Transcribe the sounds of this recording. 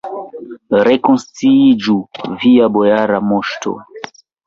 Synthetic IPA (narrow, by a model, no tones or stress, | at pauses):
ɾekõnst͡sid͡ʒuviabojaɾamoʃto̰